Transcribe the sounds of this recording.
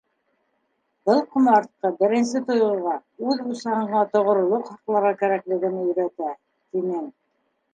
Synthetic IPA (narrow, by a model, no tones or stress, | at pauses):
bɤlˠqŏmɑɾt̪̚qɤbɘ̆ɾɘ̆nsɘt̪ŏjŏɾʁɑʉðbusɑhɤ̆ɴɢɑt̪ŏʁŏɾŏlˠoqχɑqlˠɑɾʁɑkæɾæklɘ̆ɡɘ̆nɘjɵ̆ɾæt̪æ | t̪inɘm